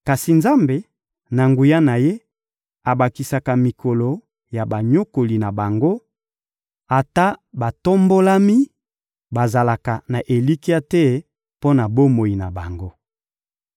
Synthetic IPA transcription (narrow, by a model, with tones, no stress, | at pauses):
ka˨si˨nza˦mbe˨ | na˨ŋɡu˨ja˦na˨je˦ | a˨ba˨ki˨sa˨ka˨mi˨ko˨lo˨ | ja˨ba˨ɲo˦ko˨li˨na˨ba˨ŋɡo˦ | a˨ta˦ba˨to˦mbo˦la˦mi˦ | ba˨za˨la˨ka˨na˨ʔe˨li˦ki˦a˦tɛ˦ | po˦na˨bo˦mo˨i˨na˨ba˨ŋɡo˦